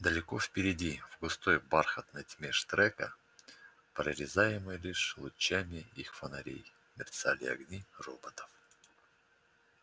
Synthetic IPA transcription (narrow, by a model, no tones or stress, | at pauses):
d̪əlʲɪko̞fpʲɪɾʲɪdʲivɡʊst̪o̞jbarxət̪nəjtʲmʲeʂt̪ɾɛkə | pɾəɾʲɪzajɪmɨjlʲiʂlˠʊt͡ɕːamʲɪixfənɐɾʲḛj | mʲɪrʲt̪salʲɪ̰ɐ̰ɡnʲirobət̪ə̥f